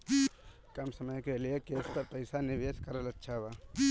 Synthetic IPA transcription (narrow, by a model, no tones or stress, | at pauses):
kɐmsəməjkeliekeːspɐɾpəɪsanɪʋeːskɐɾəlɐtːʃʰaɦʋaː